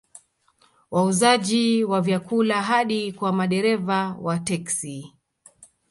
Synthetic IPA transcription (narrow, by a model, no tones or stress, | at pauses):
wauzaʄiwavjakulaɦaɗikwamaɗɛɾɛvawatɛksi